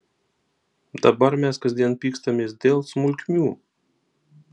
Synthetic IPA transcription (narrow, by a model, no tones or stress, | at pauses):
d̪̥ɐbɐɾmʲɛskɐzʲd̪ʲiɛnpʲiːkst̪ɐmʲeːsd̪ʲeːlˠsmʊlʲkʲmʲuː